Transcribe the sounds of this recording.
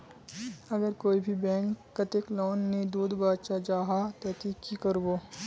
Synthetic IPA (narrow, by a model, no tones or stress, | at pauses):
ɐɡəɾkoːibʱibɛ̃ːŋkːɐt̪ɪkloːnːed̪uːd̪baːd̪ʃad͡ʒaːɦat̪ɛːt̪iːkːikəɾboː